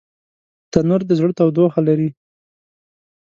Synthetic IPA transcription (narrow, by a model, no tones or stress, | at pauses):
t̪anoɾd̪əzɽt̪awd̪oxalaɾi